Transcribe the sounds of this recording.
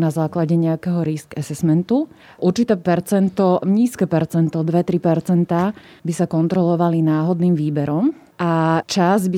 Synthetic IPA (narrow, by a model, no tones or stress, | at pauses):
nazaːklaɟɛɲɛakɛɦɔɾiskɛsɛsmɛnt̪u | ʔuɾt͡ʃit̪ɛːpɛɾt͡sɛnt̪ɔɲiːskɛːpɛɾt͡sɛnt̪ɔd̪ʋɛt̪ɾipɛɾt͡sɛnt̪aː | bisakɔnt̪ɾɔlɔʋalinaːɦɔd̪niːmʋiːbɛɾɔm | ʔat͡ʃazbi